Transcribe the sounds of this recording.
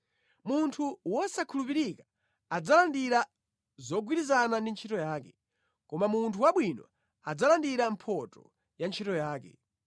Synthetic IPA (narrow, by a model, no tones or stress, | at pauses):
muntʰuwɔsakʰulupiɾika | ad͡zalandiɾa | zɔɡwiɾizanandint͡ʃʰitɔjaːkɛ | kɔmamuntʰuwaɓwinɔ̰ | ad͡zalandiɾampʰɔtɔ | jant͡ʃʰitɔjaːkɛ̰